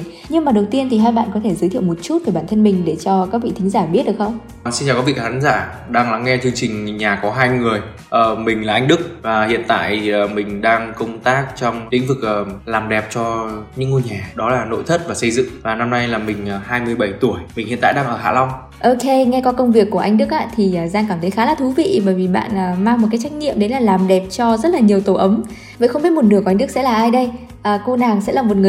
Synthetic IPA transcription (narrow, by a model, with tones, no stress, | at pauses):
ɲɨ˧ŋmaː˨˩ɗə˨˩wt̪i˧ənt̪ʰi˨˩ɦaː˧jɓa̰ː˧˨nkɔ˨˦e˧˩zɨː˨˦jt̪ʰi˧˨wm˨˩t̚t͡ɕu˦˥t̚kəː˧˩ɓaː˧˩nt̪ʰə˧nmï˨˩ŋ̟ɗe˧˩t͡ɕɔ˧kaː˦k̚vḭ˧˨t̪ï˨˦ŋ̟zaː˧˩ɓi˦˥t̚ɗɨ˨ə˩xə˧wŋ͡m | si˧nt͡ɕaː˨˩kːvi˧˨˩kːʰaː˨˦ŋzaː˧˩ | ɗaː˧ŋla˨˦ŋːɛ˧t͡ɕɨ˧əŋt͡ɕï˨˩ŋ̟ɲaː˨˩kɔ˨˦ɦaː˧jŋɨ˨˩əj | ʔəː˧˩mï˨˩ŋ̟laː˨˩ʔa˧ŋ̟ɗɨ˦˥k̚vaː˨˩hḭ˧˨ənt̪a̰ː˧˨jːmï˨˩ŋ̟ɗaː˧ŋkə˧wŋ͡mt̪aː˦˥k̚t͡ɕɔ˧wŋ͡mt̪i˨˦ŋvɨ˨˩k̚ʔəː˨˩laː˨˩mɗɛ˨˩p̚t͡ɕɔ˧ɲɨ̰˧˥ŋːo˧jɲaː˨˩ɗɔ˨˦laː˨˩no̰˧˥˨jt̪ʰə˦˥t̚vaː˨˩sə˧jzɨ̰˧˨ŋvaː˨˩na˧mna˧jlaː˨˩mï˨˩ŋ̟ː˨˩haː˧jmɨ˧əjɓə˧˩jt̪u˧˩əjmï˨˩ŋ̟hḭ˧˨na̰ː˧˨ɗaː˧ŋʔəː˧˩ha̰ː˧˥˩la˧wŋ͡m | ʔo˧ke˧ŋɛ˧kɔ˨˦kə˧wŋ͡mvi˨˩əkːu˧˩əʔa˧jŋ̟ɗɨ˦˥k̚ʔa̰ː˧˥t̪ʰi˨˩ʔəː˨˩zaː˧ŋkaː˧˩mt̪ʰə˨˦jxaː˨˦laː˨˩t̪ʰu˨˦vḭ˧˨ɓəː˧˩jvi˨˩ɓa̰ː˧˨nʔəː˨˩maː˧ŋmo˨˩t̚kaː˨˦jt͡ɕa˦˥k̟̚ɲḭ˧˨əmɗe˨˦laː˨˩laː˨˩mɗɛ˨˩p̚t͡ɕɔ˧zə˦˥t̚laː˨˩ɲi˨˩əwt̪o˧˩ʔə˨˦m | və̰˧˨xə˧wŋ͡mɓi˦˥t̚mo˨˩ɨ˨˩kːŋɗɨ˦˥sɛ̰˧˥laː˨˩ʔaː˧jɗə˧j | ʔəː˨˩ko˧naː˨˩ŋsɛ̰˧˥laː˨˩mo˨˩ŋɨ˨˩˨